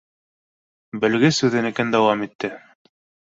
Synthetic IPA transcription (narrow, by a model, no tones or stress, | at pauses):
bɘ̆lɡɘsʉðɘnɘ̆kænd̪æwɑmit̪ːɘ